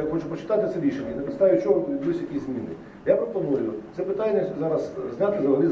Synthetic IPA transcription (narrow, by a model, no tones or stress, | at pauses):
xɔt͡ʃʊpɔt͡ʃɪ̥t̪at̪ɪt̪sɛɾʲiʃenʲːɐnɛpʲɪt̪st̪aʋʲijʊt͡ʃɔɦʊt̪ʋʲid̪blusʲjɐkʲisʲzʲmʲinɪ | japɾɔpɔmɔɾʲujʊsɛpɪt̪anʲːɛzɑɾɐszʲnʲat̪ɪzɐɦɐlʲiz